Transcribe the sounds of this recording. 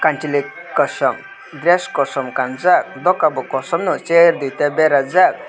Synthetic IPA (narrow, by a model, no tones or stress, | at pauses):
kanʈilikːɔʃɔm | d̪ɾeskɔsɔmkanzak̚d̪ɔkabɔkɔsɔmnut͡ʃeɾd̪ujt̪ebeɾad͡zak̚